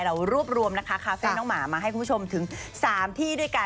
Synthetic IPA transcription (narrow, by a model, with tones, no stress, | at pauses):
ɾa˧wɾu˥˩əp̚ɾu˧əmna˦˥kʰa˦˥kʰaː˧fɛː˥˩nɔː˦˥ŋmaː˩˦maː˧ɦa˥˩jkʰu˧pʰu˥˩o˧mt̪ʰɯ˩˦ŋsaː˩˦mt̪ʰiː˥˩du˥˩əjka˧